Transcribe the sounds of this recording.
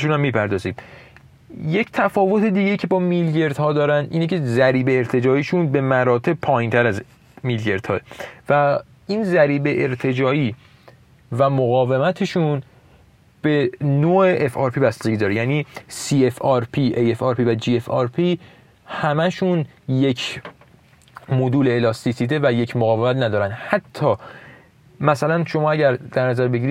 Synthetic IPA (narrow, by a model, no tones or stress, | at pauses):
ʃunæmːiːpʰæɾd̪ɒːziːm | je̞ct̪ʰæfɒːvo̞t̪ʰe̞d̪iːɟeicʰe̞bɒːmilje̞ɾd̪̥hɒːd̪ɒːɾænd̪ʔiːnecʰe̞zæɾiːbe̞ːɾt̪ʰe̞d͡ʒɒːiːʃunbe̞mæɾɒːt̪ʰe̞b̚pʰɒːjint̪ʰæɾæz | milɟe̞ɾd̪̥hɒːevæ | iːnzæɾiːbe̞ʔeɾt̪ʰe̞d͡ʒɒːiː | væmoɣɒːve̞mæt̪ʰe̞ʃun | b̥e̞noːeʔefɒɾpʰibæst̪ed̪ɒːɾejæːniːsiːefɒɾpʰiʔejefɒːɾpʰivæd͡ʒiːefɒːɾpʰi | hæmæʃunje̞cʰ | mod̪uːleːlɒːst̪isiːd̪e̞væje̞cʰmoɣɒːvemæt̪næd̪ɒːɾænd̪hæt̪ʰːɒː | mæsælænʃo̞mɒːæɟæɾd̪̥æɾnæzæɾbe̞ɟiɾi